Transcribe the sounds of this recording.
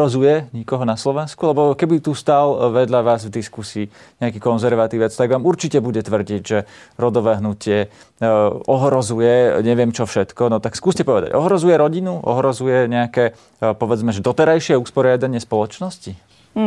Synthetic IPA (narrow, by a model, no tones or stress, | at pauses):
ɔzujɛɲikɔɦɔnaslɔʋɛnskulɛbɔkɛbit̪ust̪alʋɛd̪ʎaʋaːzvd̪iskusiː | ɲɛakiːkɔnzɛɾʋat̪iʋɛt͡st̪aɡʋaːmuɾt͡ʃicɛbuɟɛt̪ʋr̩ɟiɟʒɛɾɔd̪ɔʋɛːɦnucɪɛ | ʔɔɦɾɔzujɛɲɛʋɪɛmt͡ʃɔfʃɛt̪kɔnɔt̪akskuːscɛpɔʋɛd̪a̰ɟɔɦɾɔzujɛɾɔɟinuʔɔ̰ɦɾɔzujɛɲɛakɛː | pɔʋɛd͡zmɛʒɛd̪ɔt̪ɛɾajʃɪɛuspɔɾɪad̪aɲɪɛspɔlɔt͡ʃnɔsci